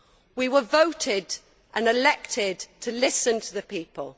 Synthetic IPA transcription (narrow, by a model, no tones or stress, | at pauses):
wiwəvoʊtʰɪd̥ | ʔə̃nɪlɛk̚tʰɪd̚tʰəlɪsə̃ntʰəðəpiˑpʰə̰lˠ